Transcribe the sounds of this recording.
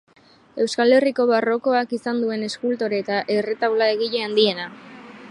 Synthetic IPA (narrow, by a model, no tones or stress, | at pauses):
e̞wskale̞riko̞βaro̞ko̞akisand̪ue̞ne̞skult̪o̞ɾet̪aʔere̞t̪awlae̞ɣiʎe̞and̪ie̞na